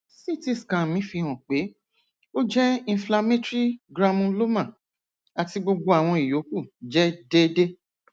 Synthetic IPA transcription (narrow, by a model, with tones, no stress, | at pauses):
si˦˨ti˦˨skã˨mĩ˨˦fi˧hɔ̃˨k͡pe˨˦ | o˦d͡ʒɛ˦ĩ˧˦fla˧mẽ˦tɾi˦ɡɾa˧mũ˧lo˦mã˦˨ | a˨ti˧ɡ͡bo˧ɡ͡bo˧a˨w̃ɔ̃˧i˨jo˨˦ku˦˨d͡ʒɛ˦de˦de˦